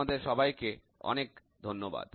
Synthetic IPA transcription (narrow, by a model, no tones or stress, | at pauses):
ad̪eɾʃɔbajke | ɔ̰nekd̪ʱonːoba̰d̪